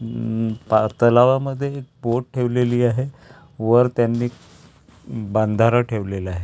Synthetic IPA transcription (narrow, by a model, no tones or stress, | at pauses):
pat̪əlaʋaməd̪ʱːjeːk̚boʈ̚ʈʰeʋleliːaɦe | ʋəɾt̪janːi | band̪ʱaɾaʈʰeʋlelaɦe